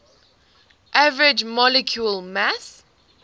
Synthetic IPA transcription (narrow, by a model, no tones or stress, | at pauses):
ʔavəɹɪd͡ʒmɔlɛkʰjulmas